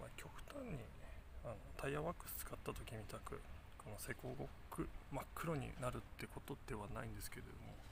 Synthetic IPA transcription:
ma̰kʲʰo̞kɯ̟̥t̪ãɲ̟ːi | ano̞t̪ʰaijaβakɯ̟̥sɨ̥t͡sɨ̥kat̪ːat̪o̞kʲimʲit̪akɯ̟ | ko̞no̞se̞ko̞ːɡo̞kːɯ̟makːɯ̟ɾo̞ɲ̟ḭnaɾɯ̟t̪ːeko̞t̪o̞d̪̥e̞βana̰ĩnd̪e̞sɨ̥ke̞d̪ḛd̪omo̞

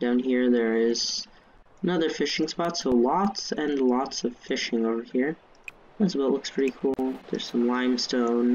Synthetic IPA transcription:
d̥ãʊ̃nhiɹðə˞ɪz̥ | nʌðə˞fɪʃɪ̃ŋspɑtsəlɑtsɨ̃nlɔtsʌv̥fɪʃɪ̃ŋoʊvə˞hiɹ | asəbaʊʔˡlʊkspʰɹ̥ɪɾikʰulˠðə̰˞z̥sʌ̃mlãɪ̃mstõʊ̃n

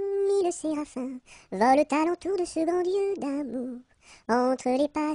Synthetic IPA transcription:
miləseʁafɛ̃vɔlət̪alɔ̃t̪uʁd̪əsəɡʁɑ̃d̪jəd̪amuʁ | ɑ̃t̪χəlepa

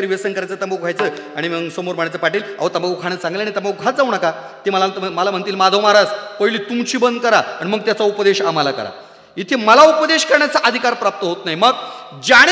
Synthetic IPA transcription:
əɾʋesənkəɾajt͡səːt̪aməɡʱajt͡səː | aɽ̃iməɡsomoɾm̤əɳjat͡səpaʈiːla̰ʋət̪aməɡukʰaɽ̃əsãŋɡleanit̪aməɡuɡʱat̪̚d͡zauɳ̃aka | t̪eməlaməlam̤əɳt̪iːlmad̪ʱəmaɾad͡zpəɦiliːt̪umt͡ɕiːbənd̪kəɾaaɽiməɡ̚t̪jat͡saupəd̪eɕaməlakə̰ɾa̰ | it̪ʰeməlaupəd̪eɕkəɾɳjat͡saʔəd̪ʱikaɾpɾap̚t̪əɦot̪naɦiməɡd͡ʑaɽ̃

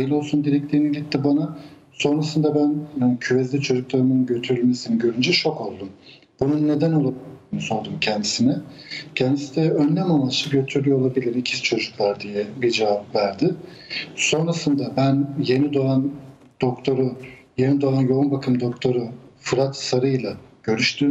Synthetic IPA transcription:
ajɯlˠo̞lˠsund̪iɾɛct̪ʰiɾiniɟʲit̪ːibana | so̞nɾasɯnd̪abænːcʰyvɛzlʲit͡ʃʰo̞d͡ʒuklˠaɾɯmɯnɟøt̪ʰyɾylʲme̞siniɟø̞ɾynd͡ʒɛt͡ʃʰo̞ko̞lˠd̪um | b̥ununːe̞d̪æno̞lˠabilʲniso̞ɾd̪umcʰɛnd̪isinɛ | cʰɛnd̪isnd̪ɛønːʲæmanaʃɯɟø̞t̪ʰyɾyjoolˠabilʲiɾicʰist͡ʃʰo̞d͡ʒuklˠaɾd̪ijɛbid͡ʒevapvæɾd̪ɪ | so̞nɾasɯnd̪abænje̞nid̪oan | d̪̥okt̪ʰoɾu | je̞nid̪oanjo̞unbakʰɯmd̪o̞kt̪ʰo̞ɾufɯɾat̪saɾɯjlˠaɟ̥ø̞ɾyʃt̪ʰym

